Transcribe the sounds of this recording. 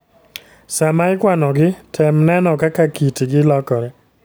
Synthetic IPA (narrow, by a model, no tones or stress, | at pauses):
samajkwanɔɡɪtʰɛmnɛnɔkakakitiɡɪlɔkɔɾɛ